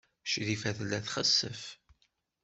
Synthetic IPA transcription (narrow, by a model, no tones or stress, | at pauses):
ʃðifæðəlːæθχəsːəf